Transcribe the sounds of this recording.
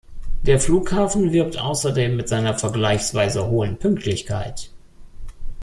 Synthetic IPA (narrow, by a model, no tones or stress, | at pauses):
d̥eːɐfluːkhaːfn̩vɪɐp̚tʔa̰ʊsɐdeːmːɪtz̥aɪnɐfɛɐɡlaɪçsv̥aɪzəɦoːənpʰʏŋk̚tʰlɪçkʰa̰ɪt